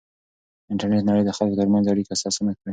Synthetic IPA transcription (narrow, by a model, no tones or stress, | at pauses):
ɪɳʈaɾneʈnaɽəjd̪əxalkot̪əɾmanzaɽikaːsɑsunakəɽa